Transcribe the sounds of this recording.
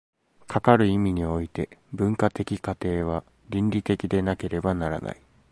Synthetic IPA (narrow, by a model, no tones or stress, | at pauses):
kʰakaɾɯ̟imʲiɲ̟io̞it̪e̞bɯ̟̃ŋkat̪e̞kʲikat̪e̞ːβ̞a | ɾʲĩnɾʲit̪e̞kʲid̪e̞nake̞ɾe̞banaɾa̰nʔa̰i